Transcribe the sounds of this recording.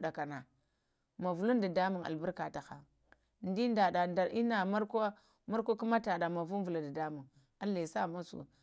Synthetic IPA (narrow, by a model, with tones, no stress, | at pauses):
ɗa˨ka˨na˨ | ma˨vu˨lu˦nda˨da˦mu˨ŋa̰˨lbu˦ka˨ta˨xa˨ | n˦di˦nda˨da˨na˨i˦na˨ma˦ɾka˦ | ma˦ɾkʷa˦ku˦ma˦ta˨ɗa˨ma˨vu˦n˦vu˨la˨da˨da˦mu˨ŋ | a˦lːe˨sa˦˨ma˦sṵ˨